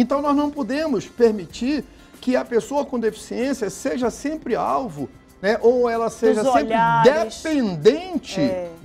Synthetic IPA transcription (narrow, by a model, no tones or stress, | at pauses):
ẽnt̪ɐ̃w̃nɔznɐ̃w̃pod̪ẽmʊspeɾmit͡ʃiɾ | kɪɐpesoɐkõd̪efi̥siẽsiɐseʒɐsẽmpɾɪa̰wvʊ | nɛʔowɛlɐseʒɐsẽmʎpɾɪad̪eẽnd̪ẽt͡ʃɪ